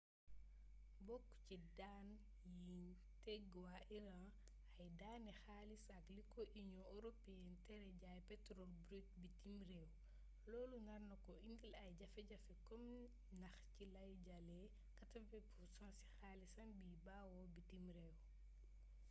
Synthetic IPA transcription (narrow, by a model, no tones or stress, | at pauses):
bɔkːcidan | ji | tɛɡwaʔiɾãː | ɐjdaːnɛxaːlisaklikɔʔiɲɔoɾopɛjɛntɛɾɛɟajpɛtɾolbɾit̚bitimrɛw | lɔːluŋɡɐɾnɐkɔindilɐjɟɐfɛɟɐfɛkɔm | nɐxcilɐjɟalɛ | kɐtɐmpɛpusãsi̥xaːlisɐnbibaːwɔbitimɾɛw